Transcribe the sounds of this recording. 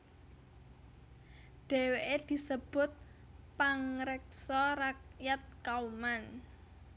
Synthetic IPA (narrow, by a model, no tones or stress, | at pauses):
ɖ̪̥ɛ̤weʔed̪̥i̤səb̥ʊt̪̚ | paŋɾɛk̚sɔɾak̚jat̪̚kauman